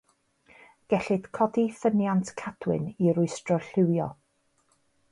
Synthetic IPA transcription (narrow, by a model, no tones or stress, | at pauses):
ɡ̥ɛɬɨd̥kʰɔdiθənjantʰkʰad̥wɪ̰niɾʊɨstrɔɬɪwjɔ̰